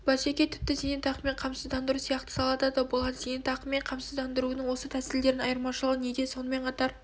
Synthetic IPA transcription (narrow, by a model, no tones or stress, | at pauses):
b̥ɑʃekʲet̪ʰɪ̥p̚t̪ɪzenent̪ɑqəme̞ɴqʰɑmsəzd̪ɑnd̪əɾusijɑqt̪ə̥sɑlˠɑt̪ɑd̪əbʊlˠɑɾzej̪ent̪ɑqəme̞ɴqʰɑmsəzd̪ɑnd̪əɾuənəɴwo̞sət̪ʰæsɪld̪e̞ɾɪnɑjəɾmɑʃəlˠəʁəned̪e̞so̞nəme̞ɴqʰɑt̪ɑɾ